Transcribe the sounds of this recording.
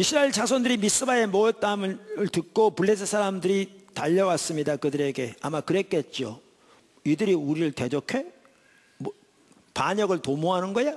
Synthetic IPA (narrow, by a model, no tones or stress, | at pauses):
isʰɯɾaiɭt͡ɕasʰondɯɾimis͈ɯbae̞moʌt͈amɯɭɯɭtɯk̚k͈opuɭːesʰɯsʰaɾamdɯɾitaʎːʌwas͈ɯmɲidakɯdɯɾe̞ɡe̞a̰makɯɾe̞k͈e̞t̚t͡ɕ͈o | idɯɾiuɾiɾɯɭte̞d͡ʑokʰe̞ | m | paɲʌɡɯɭtomoɦanɯnɡʌja